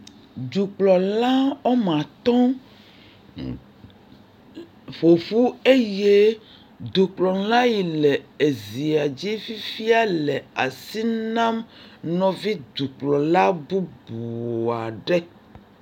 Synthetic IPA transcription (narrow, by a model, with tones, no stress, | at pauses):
d͡ʒu˨k͡plɔ˨la˦ɔ˦mã˨t̪ɔ̃˦ | ɸo˨fu˦e˦je˦ | d̪u˨k͡plɔ˨˦la˦ji˨lɛ˨e˨zi˨a˨d͡ʑi˦fi˦fi˦a˦lɛ˨a˨si˦nã˦mnɔ̃˨vi˦d̪u˨k͡plɔ˨la˦bu˦bu˨o˨a˨ɖɛ˦